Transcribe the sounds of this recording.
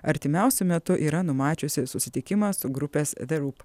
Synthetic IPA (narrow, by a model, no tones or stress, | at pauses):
ɐɾʲt̪ʲɪmʲæˑʊsʲʊmʲɛt̪ʊʔiːɾɐnʊmɑːt͡ʃʲʊsʲɪsʊsʲɪt̪ʲɪkʲɪmɐsʊɡɾʊpʲeːsðʲɛɾup